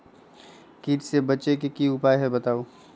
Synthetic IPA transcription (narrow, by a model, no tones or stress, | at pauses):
kiːʈsebɐt͡ʃekekiʊpaːjɦɛbɐt̪aːoː